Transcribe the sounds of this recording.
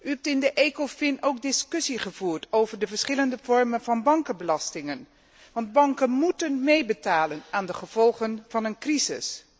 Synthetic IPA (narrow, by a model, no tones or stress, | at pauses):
yɦɛp̚tɪndəʔekofɪnʔowk̚dɪskɵsiχəvuːɹtʰowvəɹdəvəɹsχɪləndəvɔɹmənvɑnbɑŋkənbəlɑstɪŋən | ʋɑnd̚bɑŋkənmutənmejbətaːlənaːndəχəv̥ɔlˠχənv̥ɑnənkrizɪ̰s